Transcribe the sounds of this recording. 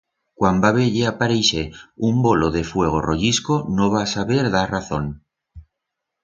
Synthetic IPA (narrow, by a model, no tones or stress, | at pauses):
kwambaβe̞ʎeapaɾejseumbo̞lo̞ðe̞fwe̞ɣ̞o̞̰ro̞ʎisko̞no̞β̞asaβe̞ɾðaraθo̞n